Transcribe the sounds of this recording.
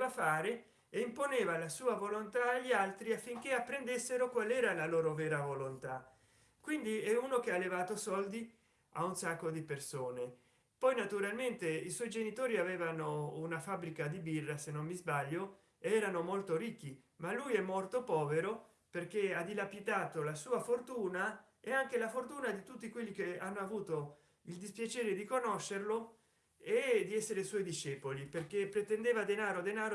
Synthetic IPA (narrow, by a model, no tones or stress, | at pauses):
afaːɾe | eimponeːvalasuːavolont̪aːʎːialt̪ɾiafːiŋk̟eapːɾend̪esːeɾokwalɛːɾalaloːɾovɛːɾavolont̪a | kwind̪iɛuːnokealːevaːt̪osɔld̪i | a̰unsakːod̪ipersoːne | pɔjnat̪uɾalment̪eiswɔjd͡ʒenit̪oːɾiavɛːvanounafabɾikad̪ibirːasenːonːizbaʎːo | eɛːɾanomolt̪oɾik̟ːi | malːujɛmːolt̪opɔːveɾo | perk̟ead̪ilapit̪aːt̪olasuːafort̪uːna | eaŋk̟elafort̪uːnad̪it̪ut̪ːikwelːikeanːoavuːt̪o | ild̪ispjat͡ʃɛːɾed̪ikonoʃːerlo | ed̪iɛsːeɾeswɔjd̪iʃːɛːpoliperkepːɾet̪end̪eːvad̪enaːɾod̪enaːɾo